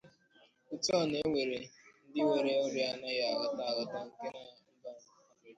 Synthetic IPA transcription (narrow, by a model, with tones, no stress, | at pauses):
u˨tu˦ɔ˦˨ne˦ŋʷe˨ɾe˨n̩˦dɪ˦we˨ɾe˦o˦ɾi˦a˨na˦ja˨ɣɔ˨ta˦˨ɣʊ˨ta˦ŋ̩˦ke˦na˦m̩˦ba˦n̩˦˨a˨e˦